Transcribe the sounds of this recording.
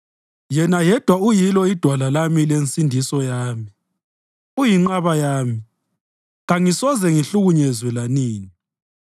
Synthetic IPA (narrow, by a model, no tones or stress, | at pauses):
jɛnajɛd̥ʱwaujilɔid̥ʱwalalamilensʼindʱisɔjaːmi | ujiŋ͡ǃaβajaːmi | ɣaŋisɔzɛŋiɬuɣuɲɛzwɛlaniːni